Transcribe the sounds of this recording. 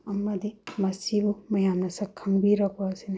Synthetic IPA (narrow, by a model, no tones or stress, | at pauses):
ɐmːɐd̪imɐsibumɐjamnɐsɐkʰɐmbiɾɐkʰasin